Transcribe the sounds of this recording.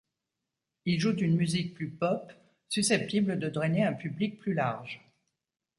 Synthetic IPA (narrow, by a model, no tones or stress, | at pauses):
ilʒud̪ynmyzik̚plypɔp | sysɛp̚t̪ibləd̪əd̪ʁɛneɛ̃pyblik̚plylaʁʒ